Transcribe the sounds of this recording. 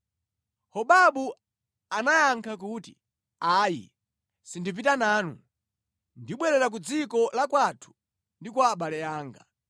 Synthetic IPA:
hɔɓaɓu | anajaŋkʰak̬uti̥̰ | aːjḭ | sindipitanaːnṵ | ndiɓwɛɾɛɾak̬ud͡zikɔlakwatʰu̥ | ndikwaːɓalɛaːŋɡa̰

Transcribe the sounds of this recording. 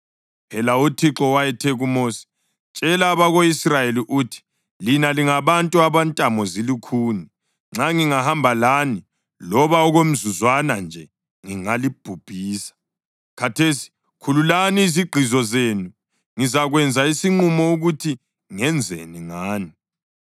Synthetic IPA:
pʰɛlautʰiǁɔwajɛtʰeɣumoːsi̥ | t͡ʃʼɛlaːβaɣoisrajeliʔuːtʰi̥ | linaliŋaβantʼuaβantʼamɔzilikʰuːni | ŋ͡ǁaŋiŋahambʱalani | lɔβaɔɣom̩zuzwanand͡ʒʱɛ | ŋiŋalib̥ʱub̥ʱiːsḁ | kʰatʰesi̥ | kʰululaniːziɡ͡ǃʱizɔzeːnu | ŋizaɣwɛnd͡zʱaisiŋ͡ǀumɔuɣutʰi | ŋɛnd͡zʱḛniŋaːni

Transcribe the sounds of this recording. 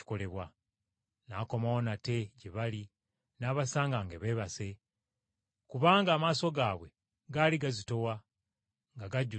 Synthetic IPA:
i̥ko̞le̞βwa | nako̞mawonate̞ɟeβali | naːβasaːŋɡaŋɡe̞βe̞ːβase̞ | kuβaːŋɡaːmaːso̞ɡaːβwe̞ | ɡaːliɡazito̞wa | ŋɡaɡaɟu

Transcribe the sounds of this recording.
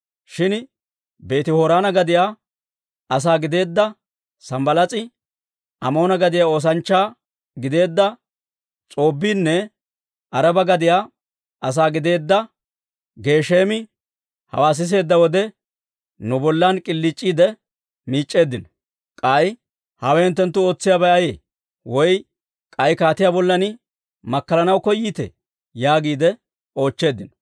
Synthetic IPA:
ʃɪn | be̞ːt̪ɪhoːɾaːnɐɡɐd̪ɪjaː | ɐs̬aːɡɪd̪e̞ːd̪ːɐ | sɐmbɐlɐt͡sʼɪ | ɐmo̞ːnɐɡɐd̪ɪjaːo̞ːs̬ɐnt͡ʃːaː | ɡɪd̪e̞ːd̪ːɐ | t͡sʼo̞ːbːiːnːɛ | ʔɐɾɐbɐɡɐd̪ɪjaː | ʔɐs̬aːɡɪd̪e̞ːd̪ːɐ | ɡe̞ːʃe̞ːmɪ | hɐ̰waːs̬ɪs̬e̞ːd̪ːɐwɔd̪ɛ | nʊbɔlːankʼɪlːɪt͡ʃʼːiːd̪ɛ | miːt͡ʃʼːe̞ːd̪ːɪnɔ | kʼɐj | hɐwɛhɪnt̪ːɛnt̪ːʊo̞ːt͡sːɪjabɐjɐjḛː | wɔj | kʼɐjkaːt̪ɪjaːbɔlːɐnɪ | mɐkːɐlɐnɐwkɔjːiːt̪ɛ̰ | jaːɡiːd̪ɛ | o̞ːt͡ʃːe̞ːd̪ːɪnɔ

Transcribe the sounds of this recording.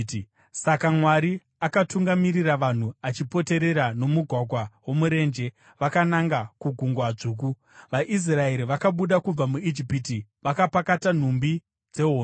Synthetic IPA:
sakamwaɾi | akatuŋɡamiriraʋan̤uat͡ʃipo̞te̞ɾe̞ɾano̞muɡʱwaɡʱwawomuɾe̞ːnd͡ʒe̞ | ʋakanaŋɡakuɡʱuŋɡwad͡zuːk̬u | ʋaʔis̬rae̞ɾiʋakaɓuɗakub͡vamuid͡ʒipitiʋakapakatan̤umbi | d͡ze̞ɦoːn

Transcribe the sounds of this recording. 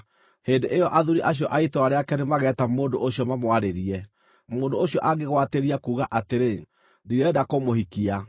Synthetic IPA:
heːndeʔejɔʔaðuɾiʔaɕ̬ijɔʔaitoaɾeakɛnemaɣɛːtamoːndoʔoɕiɔmamwaɾeɾiɛ | moːndooɕiɔʔaɡeɣwateɾiakuːɣaʔateɾe | diɾɛdakomohikia

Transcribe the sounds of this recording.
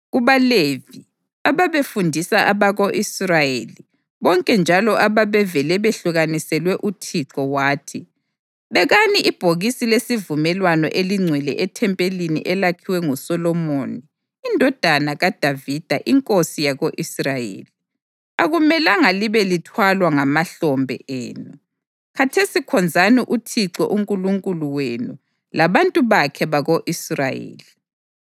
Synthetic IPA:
ɣuβalevi | aβaβefundʱisaʔaβaɣoʔisrajeli | βɔŋkʼɛnd͡ʒʱalɔʔaβaβɛvɛlɛβeɬuɣanisɛlwɛʔutʰiǁɔwaːtʰi | βɛɣaniʔib̥ʱoɣisilesivumɛlwanɔ̰ʔeliŋ͡ǀʱwɛlɛ̰ʔɛtʰɛmpʼelinḭʔɛlakʰiwɛŋusɔlɔmoniː | ndʱɔd̥ʱanaɣad̥ʱavid̥ʱaʔiŋkʼosijaɣoʔisrajḛːli | aɣumɛlaŋaliβɛlitʰwalwaŋamaɬɔmbʱɛ̰ʔɛ̰ːnu | kʰatʰesikʰɔnd͡zʱaniʔutʰiǀɛ̰ʔuŋkʼuluŋkʼuluwenṵ | laβantʼuβakʰɛβaɣoʔisra̰jḛːli

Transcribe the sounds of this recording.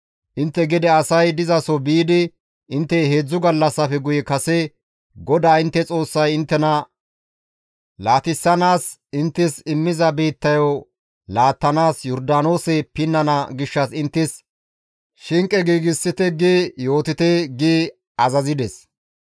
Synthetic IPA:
ʔɪnt̪ːɛɡɪd̪ɛɐsɐjd̪ɪzɐsɔbiːd̪ɪ | ʔɪnt̪ːɛheːd͡zːʊɡɐlːɐsːɐfɛɡʊjɛkɐsɛ | ɡɔd̪aːɪnt̪ːɛt͡sʼo̞ːsːɐjɪnt̪ːɛnɐ | laːt̪ɪsːɐnaːs | ɪnt̪ːɪsɪmːɪzɐbeːt̪ːɐjo | laːt̪ːɐnaːsjɔɾd̪aːno̞ːsɛpɪnːɐnɐɡɪʃːɐsɪnt̪ːɪs | ʃɪŋkʼɛɡiːɡɪsːɪt̪ɛɡiːjo̞ːt̪ɪt̪ɛɡiː | ɐzɐzɪd̪ɛs

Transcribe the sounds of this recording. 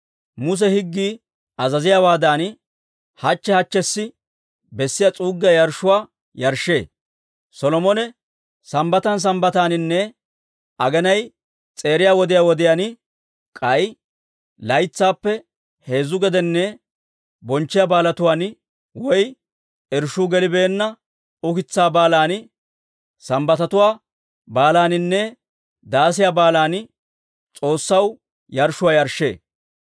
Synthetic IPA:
mʊs̬ɛhɪɡːiː | ɐzɐzɪjaːwaːd̪aːn | hɐt͡ʃːɛhɐt͡ʃːɛsːɪ | bɛsːɪjat͡sʼuːɡːɪjajɐɾʃʊwaː | jɐɾʃːe̞ː | sɔlɔmɔnɛ | sɐmbɐt̪ɐns̬ɐmbɐt̪aːnɪnːɛ | ʔɐɡɛnɐj | t͡sʼe̞ːɾɪjaːwɔd̪ɪjaːwɔd̪ɪjaːn | kʼɐj | lɐjt͡sːaːpːɛ | he̞ːzʊɡɛd̪ɛnːɛ | bɔnt͡ʃːɪjaːbaːlɐt̪ʊwaːn | wɔj | ɛɾʃʊːɡɛlɪbe̞ːnːɐ | ʊkɪt͡sːaːbaːlaːn | sɐmbɐt̪ɐt̪ʊwaː | baːlaːnɪnːɛ | d̪aːs̬ɪjaːbaːlaːn | t͡sʼo̞ːsːɐw | jɐɾʃʊwaːjɐɾʃːḛː

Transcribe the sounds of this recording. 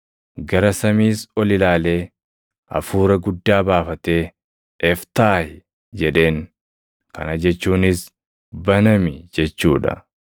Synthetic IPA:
ɡɐɾɐsɐmiːsɔlɪlaːle̞ː | ɐ̰fuːɾɐɡʊd̪ːaːbaːfɐt̪e̞ː | ɛft̪aːhɪ | d͡ʒɛᶑe̞ːŋ | kɐ̰nɐd͡ʒɛt͡ʃːuːnɪs | bɐnɐmɪd͡ʒɛt͡ʃːuːᶑɐ̰

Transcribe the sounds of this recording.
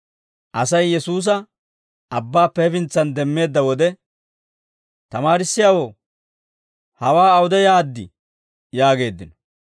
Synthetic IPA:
ʔɐsɐjːɛsuːs̬ɐ | ɐbːaːpːɛːfɪnt͡sːɐnd̪ɛmːe̞ːd̪ːɐwɔd̪ɛ | t̪ɐmaːɾɪsːɪjaːwo | hɐwaːɐwʊd̪ɛjaːd̪ːɪ | jaːɡe̞ːd̪ːɪnɔ̥

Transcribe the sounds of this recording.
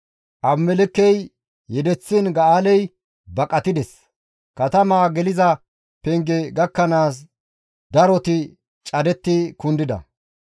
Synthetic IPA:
ʔɐbmɛlɪkːɛj | jɛd̪ɛt͡sːɪnɡɐaːlɛj | bɐkʼɐt̪ɪd̪ɛs | kɐt̪ɐmaːɡɛlɪzɐ | pɛŋɡɛɡɐkːɐnaːs | d̪ɐɾɔt̪ɪ | t͡ʃʼɐd̪ɛt̪ːɪkʊnd̪ɪd̪ɐ̰

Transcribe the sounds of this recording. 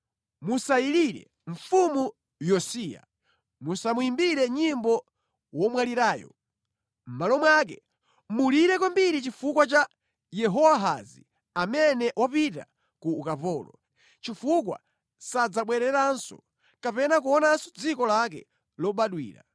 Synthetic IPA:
musaiɾiɾɛ̰ | ɱ̩fumu | jɔsiːa̰ | musamuimbiɾɛɲimbɔ | wɔmwaliɾaːjɔ̰ | m̩malɔmwak̬ɛ | muliɾɛkwambiɾit͡ʃifukwat͡ʃa | jɛɦɔwaɦa̰zi | amɛnɛʔwapita̰ | kuːkapɔːlɔ | t͡ʃifukwa̰ | sad͡zaɓwɛɾɛɾansɔ̰ | kapɛnak̬uɔnasɔ̥d͡zikɔlakɛ̰ | lɔɓaɗwḭːɾa̰

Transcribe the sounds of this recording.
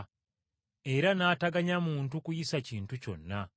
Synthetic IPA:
e̞ɾanaːtaɡaɲamuːntukujisaciːntuco̞̰nːa

